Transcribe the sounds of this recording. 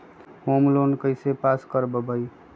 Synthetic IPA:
homlonkəjsepaskəɾbəbəj

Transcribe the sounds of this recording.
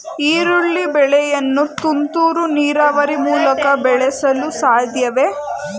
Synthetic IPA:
iːɾuɭːibɛɭɛjɐnːut̪unt̪uːɾuniːɾaːʋɐɾimuːlɐkɐbɛɭɛsɐlusaːd̪ʱjɐʋe

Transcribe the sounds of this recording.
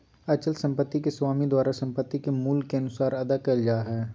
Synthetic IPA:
ɐt͡ʃəlsɐ̃mpət̪ːikeswaːmid̪waːɾasɐ̃mpət̪ːikemuːlkːeɐnʊsaːɾɐd̪akɐld͡ʒaːɦɛː

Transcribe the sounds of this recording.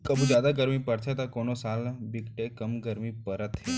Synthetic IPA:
kəbud͡ʒad̪aɡəɾmipəɾt̪ʰet̪akonosalbikʈekəmɡəɾmipəɾət̪ʰɦe

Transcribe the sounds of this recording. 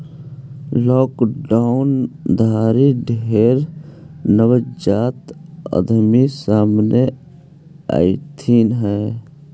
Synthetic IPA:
lɔːkɖaʊnd̪ʱaːɾiɖʱeeːɾnəwəd͡ʒaːt̪ə̰d̪misaːmne | a̰ːit̪ʰiːnɦɛː

